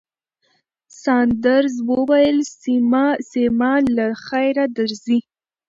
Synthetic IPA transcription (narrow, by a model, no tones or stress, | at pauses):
sɑnd̪aɾzwəwajəlsimasemɑlaxajɾad̪aɾzi